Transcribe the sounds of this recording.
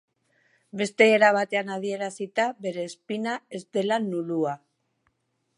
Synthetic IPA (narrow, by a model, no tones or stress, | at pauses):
be̞st̪e̞ːɾaβ̞at̪e̞anað̞ie̞ɾasit̪aβe̞ɾe̞ːspinae̞zd̪e̞lanulua